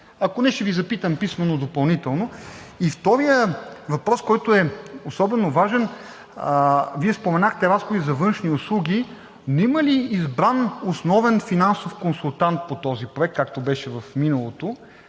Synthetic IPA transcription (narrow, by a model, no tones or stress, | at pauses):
ɐkonɛʃt̪ɛvizɐpit̪əmpismɐnod̪opɐlˠnit̪ɛlˠno | ift̪ɔɾijəvɐpɾɔskɔjt̪oɛosɔbɛnovaʒɛn | viɛspomɛnaxt̪ɛɾasxod̪izɐvɤnʃniʊslˠuɡʲi | noiməliːzbɾanosnɔvɛnfinansofkonsulˠt̪ant̪̚pot̪ɔzipɾoɛk̚ːak̚t̪obɛʃɛvɐfminɐlˠot̪o